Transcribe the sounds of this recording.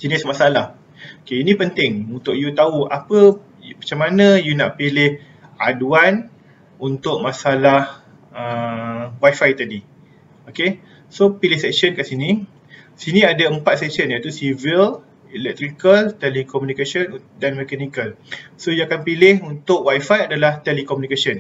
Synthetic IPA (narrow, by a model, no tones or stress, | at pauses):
d͡ʒənɪsmasalah | okeinĩpənt̪ɪŋunt̪ʊk̚jut̪aua̰pə | mat͡ʃamanə̃junaʔpilɪh | ʔaduan | unt̪ʊʔ̚mãsalah | əwajfajt̪adi | oke | sopilɪhsɛksənkaʔsinĩ | sinĩadaəmpat̪̚sɛksənjait̪usivil | ɛlɛk̚t̪ɾikəlt̪ɛlikɔmjũnikasəndanmɛkanikalsojuakanpilɪɦunt̪ʊkwajfajadalaht̪ɛlikɔmjunikasən